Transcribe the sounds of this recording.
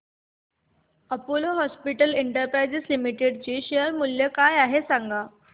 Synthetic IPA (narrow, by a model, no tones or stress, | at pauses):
əpoloɦɔspiʈəleɳʈəɾpɾajd͡zeslimiʈeɖt͡ɕiːɕeəɾmulːjəkajaɦesaŋɡʱa